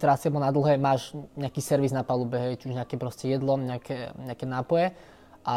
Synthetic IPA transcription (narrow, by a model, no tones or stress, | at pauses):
t̪ɾasiabɔnad̪l̩ˠɦɛːmaːʒɲɛakiːsɛɾʋiznapalubɛɦɛjt͡ʃuʒɲɛakɛpɾɔscɛjɛd̪lɔɲɛakʰɛɲɛakɛnaːpɔjɛ | ʔa